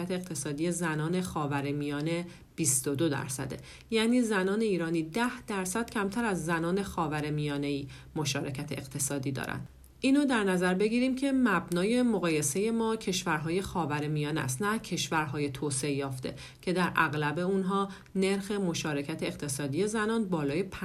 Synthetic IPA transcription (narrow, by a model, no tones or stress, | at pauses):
æt̪ʰeːɣt̪ʰe̞sɒːd̪ije̞zænɒːne̞xɒːvæɾemijɒːne̞ | b̥ist̪od̪o̞d̪æ̰ɾsæ̰d̪e̞̰ | jæːniːzænɒːne̞iːɾɒːniːd̪æhd̪̥æɾsæd̪̥cʰæmt̪ʰæɾæzːænɒːne̞xɒːvæɾemijɒːne̞iː | mo̞ʃɒːɾe̞cʰæt̪ʰeʔeqt̪ʰe̞sɒːd̪iːd̪ɒ̰ːɾæ̰nd̪ | ʔiːnod̪æɾnæzæɾbe̞ɟiːɾiːmcʰe̞mæbnɒːje̞moɣɒːje̞se̞je̞mɒːcʰe̞ʃvæɾɦɒːje̞xɒːvæɾemijɒːnæ̰st̪næcʰe̞ʃvæɾɦɒːje̞t̪ʰoːseejɒːft̪e̞̰ | cʰe̞d̪æɾʔæ̰ɣlæbe̞unɦɒː | ne̞ɾxe̞mo̞ʃɒːɾe̞cʰæt̪ʰe̞ːqt̪ʰe̞sɒːd̪ije̞zænɒːnbɒːlɒːjepʰ